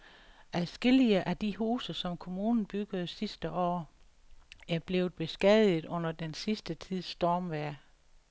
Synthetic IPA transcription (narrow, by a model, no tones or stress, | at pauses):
ʔæðˠsɡ̥e̝liəʔæd̥iɦuːsəsɒ̽mkʰo̝muːnn̩b̥yɡ̥əð̞̩ˠsisd̥əʔɒ̰ː | æɐb̥le̝ʊð̩ˠb̥e̝sɡ̥ɛð̰ˠð̩ˠɔ̽n̰ɐd̥ensisd̥ət͡sʰið̞̰ˠsːd̥ɒːmʋæɐ̰